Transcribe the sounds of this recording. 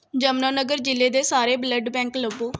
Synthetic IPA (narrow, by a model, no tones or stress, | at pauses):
d͡ʒəmnaːnəɡəɾd͡ʒɪlːeːd̪eːsaːɾeːbləɖbɛ̃ːŋkləboː